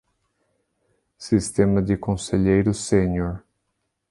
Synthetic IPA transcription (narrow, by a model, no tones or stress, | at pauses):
sist̪ẽmɐd̪ɪkõseʎejɾʊseɲoɾ